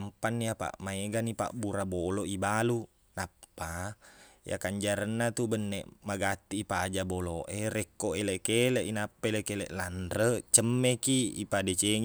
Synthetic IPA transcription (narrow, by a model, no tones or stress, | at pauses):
mpanːijapa̰ʔmaeɡanipa̰ʔbuɾaboloʔibalu | napːa | ja̰kaɲd͡ʒaɾənːat̪ubənːḛʔmaɡat̪ːiːpad͡ʒaboloʔerekːoʔeleʔkeleʔinapːaeleʔkeleʔlanrət͡ʃəmːekiipadet͡ʃeŋ